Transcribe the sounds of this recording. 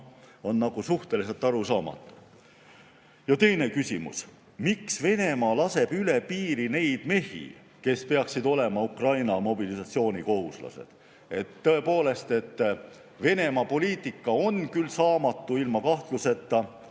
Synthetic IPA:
o̞nːɑɡ̥usuht̪e̞lis̬e̞lt̪ːˑɑɾusɑːmɑ̰t̪ːˑu̥ | jɑt̪e̞jne̞kysimṵs | miksve̞ne̞mɑːlɑse̞b̥yle̞piːɾine̞jd̪̥me̞hḭ | ke̞spe̞ɑksid̪o̞le̞mɑukrɑjnɑmo̞bilisɑt̪sio̞ːnʲiko̞huslɑ̰se̞̰d̪̥ | e̞t̪ːɤe̞po̞ːle̞st̪e̞t̪ː | ve̞ne̞mɑpo̞liːt̪ˑikːɑo̞nkylsɑːmɑt̪ːuilmɑkɑht̪luse̞t̪ːɑ

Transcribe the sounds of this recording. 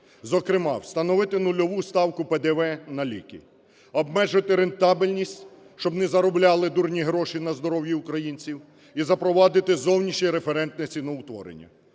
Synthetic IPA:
zɔkɾɪmɑ̰wst̪ɐnɔʋɪt̪ɪnʊlʲɔʋust̪ɑwkʊped̪ɛʋɛnɐlʲḭkḭ | ɔbmɛʒɪt̪ɪɾent̪ɑbilʲnʲisʲtʲ | ʃt͡ʃɔbnɛzɐɾɔblʲɑlˠɪd̪urnʲiɦɾɔʃinɐzd̪ɔɾɔwjiʊkɾɐjinʲt͡sʲiw | izɐpɾɔʋɑd̪ɪt̪ɪzɔwnʲiʃɲʲiɾefeɾɛnt̪nɛt͡sʲinɔʊt̪ʋɔ̰ɾḛnʲːɐ̰

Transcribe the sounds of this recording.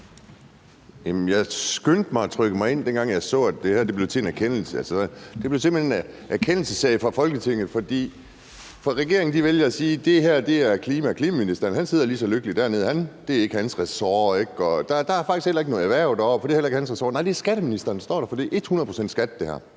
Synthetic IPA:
jæmmjɑ̈ɪsɡ̥ønd̥mɑ̈ɪæt͡sʰʁœɡ̥əmɑ̈ɪe̝n̰d̥enɡ̥ɑ̈ŋ̰jɑ̈ɪsɔ̰̽ːæd̥̚d̥e̝hæɐ̰d̥eb̥le̝ʊt͡sʰe̝enæɐkʰen̰l̩səælsəd̥eb̥le̝ʊsemenen | æɐkʰen̰l̩səsɛɪfʁɑ̈fɒ̽lɡ̥ət͡sʰe̝ŋ̰ð̩ˠfɒ̽d̥ḭː | fɒʁɛɡ̥e̝ɐeŋn̩d̥iʋeljɐæsiːd̥e̝ɦæɐ̰d̥e̝æɐkʰliːmækʰliːmæminisd̥ɐnhænse̝ð̰ˠɐlisɒ̽løɡ̥əlid̥æɐ̰ne̝ð̞̰ˠhænd̥e̝æɐe̝ɡ̥əhænsʁɛsɒːeɡ̥ɒ̽d̥ɑ̈ɐd̥ɑ̈æɐfɑɡ̥isɡ̥elɐeɡ̥no̽ːð̩ˠæʋæɐ̰d̥ɑɒ̰fɒ̥̽ihelɐe̝ɡ̥hænsʁɛsɒ̰ːnɑ̈ɪd̥e̝æɐsɡ̥æɾ̥əminisd̥ɐːnsd̥ɒ̰ːɾ̥ɑ̈fɒ̽d̥iʔe̝d̥hunɐðˠpʰo̝sen̰d̥sɡ̥æd̥̚d̥ehæɐ̰

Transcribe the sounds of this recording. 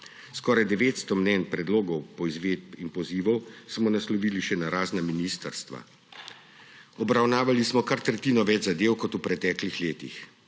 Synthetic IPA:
skɔːɾajd̪ɛʋeːt̪st̪ɔmnɛnpɾɛd̪loːɡɔwpɔizʋeːd̪̚pinpɔziːʋɔwsmɔnaslɔʋiːliʃɛnaɾaːznaminiːst̪əɾst̪ʋa̰ | ɔbɾawnaːʋalismɔkaɾt̪ɾɛt̪iːnɔʋɛd͡ʒzad̪eːwkɔt̪upɾɛt̪ɛːklixleːt̪ḭx

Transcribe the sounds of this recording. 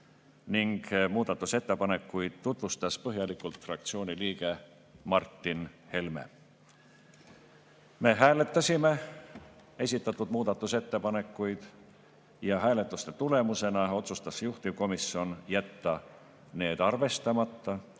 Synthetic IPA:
niŋɡ̥muːd̪̥ɑt̪ːˑuse̞t̪ːe̞pɑne̞kːujd̪̥̚t̪ːut̪vust̪ɑspɤɦjɑlikult̪frɑk̚t̪sio̞ːnʲiliːɡ̥e̞ | mɑrt̪ːinhe̞lme̞̰ | me̞ɦæːle̞t̪ːˑɑsʲime̞ | e̞sʲit̪ːˑɑt̪ːˑud̪muːd̪̥ɑt̪ːˑuse̞t̪ːe̞pɑne̞kːˑujd̪̥ | jɑɦæːle̞t̪ːˑust̪e̞t̪ule̞muse̞nɑo̞t̪sust̪ɑsjuht̪iko̞misio̞njæt̪ːɑ | ne̞ːd̪̥ɑrve̞st̪ɑmɑt̪ːɑ

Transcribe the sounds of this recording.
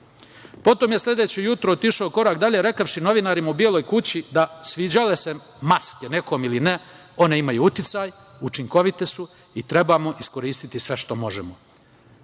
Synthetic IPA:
po̞t̪oːmje̞slʲe̞d̪et͡ɕejut̪ɾoot̪iʃaoko̞ɾaːkd̪aʎe̞ɾe̞kaʋʃino̞ʋinaːɾimaubjelojkut͡ɕid̪asʋiːd͡ʑale̞se | maskene̞ko̞ːmiline | o̞ne̞imajuːut̪it̪saj | ut͡ʃiŋko̞ʋit̪esu | it̪ɾe̞bamo̞ʔisko̞ɾiːst̪it̪isʋe̞ʃt̪o̞mo̞ʒemo

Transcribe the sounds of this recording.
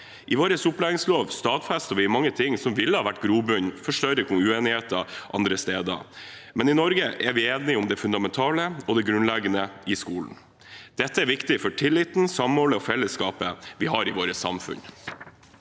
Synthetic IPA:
ʔɪʋoːɾəsʊplæːʋɪŋsloːʋst̪ɑːd̪fæst̪ɔʋɪmɑŋːət̪ʰɪŋːsɔmʋɪlːəhɑːʋæʈːɡɾuːbʉnfɔʂʈœɾəkʰʊŋʉeːnɪheːt̪ɑʔɑ̰nd̪ɾəst̪eːd̪ɑ̰mɛnɪnɔɾɡəʔɛɾʋɪeːnɪʊmd̪ɛfʉnd̪ɑmɛnt̪ʰɑːləɔd̪ɛɡɾʉnlɛɡənəɪskuːln̩ | d̪̥ɛt̪ːəæɾʋɪkt̪ɪfɔʈʰɪlːɪt̪n̩sɑmɔːləɔfɛlːəskɑːpəʋɪhɑɾɪʋoːɾəsɑ̰mfʉ̰n

